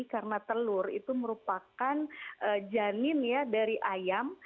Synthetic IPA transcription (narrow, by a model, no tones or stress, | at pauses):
karənat̪əlʊrḭt̪uməɾupakanʔəd͡ʒanɪnjadaɾiʔajam